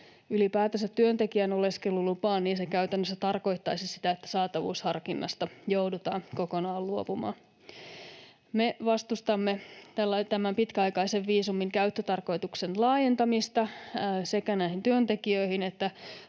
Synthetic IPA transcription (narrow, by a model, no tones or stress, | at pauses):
ylipæːt̪æsæt̪t̪yønt̪e̞kiæno̞le̞skelulupɑːnniːnsekæyt̪ænːøsːæt̪ɑrko̞ijt̪ːɑjsisi̥t̪æet̪ːæ̥sɑːt̪ɑʋṵːshɑrkinːɑ̰st̪ɑjowdut̪ɑːnko̞ko̞nɑːlluopumɑ̰ːn | meʋɑst̪ust̪ɑmːet̪ælːɑt̪æmæmpit̪kæɑjkɑjseʋːiːsumiŋkæyt̪ːøt̪ɑrko̞jt̪uksenlɑːje̞nt̪ɑmist̪ɑse̞kænæihint̪yønt̪e̞kiøihinet̪ːæ